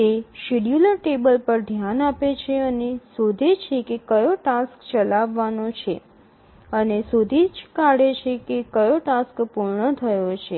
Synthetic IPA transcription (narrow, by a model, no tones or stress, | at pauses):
t̪eʃiɽjuləɾʈebəlpəɾd̪ʱjanapet͡ʃʰeənesod̪ʱet͡ʃʰekekəjoʈaskt͡ʃəlaʋːanot͡ʃʰe | ənesod̪ʱid͡ʒkaɽet͡ʃʰekekəjoʈaskpuɾɳət̪ʰəjot͡ʃʰe